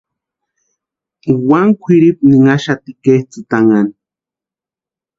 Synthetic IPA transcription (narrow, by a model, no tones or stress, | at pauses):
waŋkʷʰiɾip̚niŋaʃat̪ikeht͡sɨt̪aŋani